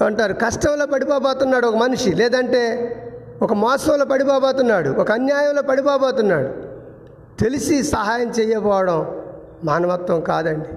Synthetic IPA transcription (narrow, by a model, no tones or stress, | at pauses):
ɐɳʈaːɾukɐʂʈɐmloːpɐɽipoːbɔːt̪unːaːɽuɔkɐmɐnuʂilɛːd̪ɐɳʈe̞ː | ɔkɐmɔːsɐwloːpɐɽipɔːboːt̪unːaːɽuɔkɐɐnjaːjɐmloːpɐɽipoːboːt̪unːaːɽu | t̪e̞lisisɐɦaːjɐmt͡ʃɛːjːɐpɔːʋɐɽɐm | maːnɐʋɐt̪ʋɐmkaːd̪ɐɳɖi